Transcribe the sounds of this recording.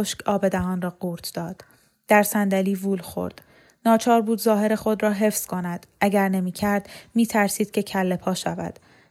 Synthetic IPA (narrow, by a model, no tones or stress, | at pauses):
oʃkɒːbe̞d̪æɦɒːnrɒːɡuːɾt̪ʰd̪̥ɒːd̪̥ː | æɾsænd̪æliːvuːlxo̞̰ɾd̪̥ | nɒːt͡ʃʰɒːɾbuːd̪zɒːɦe̞ɾe̞xo̞d̪rɒːɦe̞fskʰo̞næd̪̥ʔæɟæɾne̞miːcʰæɾd̪̥miːt̪ʰæɾsiːd̪̥̚cʰʲe̞cʰælːe̞pʰɒːʃævæ̰d̪̥